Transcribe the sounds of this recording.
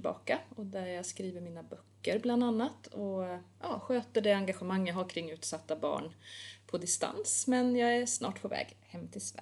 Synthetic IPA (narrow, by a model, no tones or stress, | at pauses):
bɑ̰ːkaɔd̪æɾjɑɡskɾiːvəɾmiːnabœkːəɾbland̪anːat̪ʰɔjɑːɧøːt̪əɖɛaŋɡaɧɛmaŋːjaɦaɾkʰɾɪŋːʉ̟ːt̪sat̪ːabɑ̰ːɳpʰɔd̪ɪst̪a̰nsmɛnjɑːɡæʂnɑ̰ːʈpʰɔvɛ̰ːɡhɛmːt̪ʰɪlsvæ